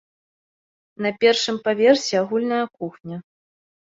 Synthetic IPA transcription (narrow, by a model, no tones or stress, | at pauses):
nɐpʲɛrʂɨmpavʲɛrsʲɛaɣulʲnɐjɐkuxnʲɐ